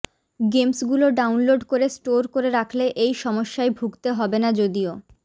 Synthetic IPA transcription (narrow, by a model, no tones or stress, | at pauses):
ɡemsɡuloɖawnloɖkoɾesʈoɾkoɾeɾakʰleʔejʃɔmoʃːaebʱuɡt̪eɦɔbenad͡ʑod̪io